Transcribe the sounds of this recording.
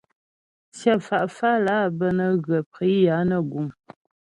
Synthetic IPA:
sjə˦fa˨ʔfa˦la˦bə˦nə˨ɣə˨pʁi˨˦ja˨˦nə˨ɡu˨m

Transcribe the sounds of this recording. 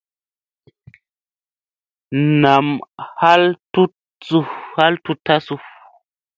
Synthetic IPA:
na˨mha˦ltu˦t̚ | su˧ha˦ltu˦tʰːa˦su˧

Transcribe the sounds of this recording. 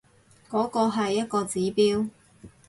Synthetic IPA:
kɔː˨˥kɔː˧ɦɐ˨jːɐ˥t̚kɔː˧t͡siː˨˥piː˥w

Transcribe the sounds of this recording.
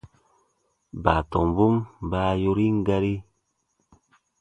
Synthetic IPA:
ba˨tɔ˨m˨bu˦mba˧˦jo˧ɾi˦ŋ̩˦ɡa˦ɾi˦

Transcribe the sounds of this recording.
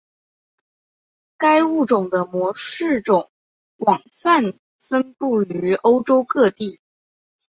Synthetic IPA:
ka˥ɪu˥˩ʈ͡ʂʊ˨˩ŋd̪ə˦mwɔ˧˥ʂɻ̩˥˩ʈ͡ʂʊ˨˩˦ŋ | kwɑ˨˩ŋfa˥˩n | fə˥npu˥˩y˧˥o˥ʊʈ͡ʂo˥ʊkɤ˥˧t̪i˥˩

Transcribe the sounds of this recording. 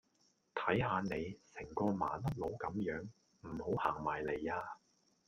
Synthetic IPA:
t̪ʰɐ˨˥jɦaː˨˧ne˨˧jsɪ˨˩ŋkɔː˧maː˨˥nlɐ˥t̚lo˨˥wkɐ˨˧˥mjœː˨˥ŋ | m̩˨˩ho˨˥whaː˨˩ŋmaː˨˩jle˨˩jaː˧

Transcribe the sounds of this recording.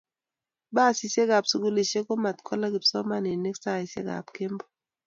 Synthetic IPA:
ba˦˨si˨se˦ɡa˨psu˨ɡu˦le˨ʃe˦ko˦ma˨t̪kʰɔ˦la˦ɡɪ˨psɔ˦ma˦ne˨ne˦ksa˦˨ɪ˨sḛ˦ɡa̰˨pke˦mbɔ̥˦

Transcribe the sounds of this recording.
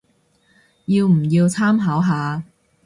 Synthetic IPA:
jiː˧wm̩˨˩jiː˧wt͡sʰaː˥mɦaː˨˥wɦaː˨˧

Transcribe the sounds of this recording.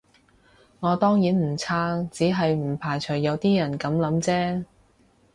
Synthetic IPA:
ŋɔː˨˧t̪ɔː˥ŋjiː˨˥nm̩˨˩t͡sʰaː˥t͡siː˨˥ɦɐ˨jm̩˨˩pʰaː˨˩jt͡ʃʰɵ˨˩jːɐ˨˧wt̪iː˥jɐ˨˩nkɐ˨˥mlɐ˨˥mt͡sɛː˥

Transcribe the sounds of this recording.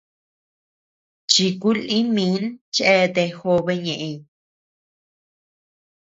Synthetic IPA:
t͡ʃi˧ku˦lĩ˦mĩ˨˦nt͡ʃe˦˧t̪e˧xo˧βe˧ɲẽ˨ʔẽ˧

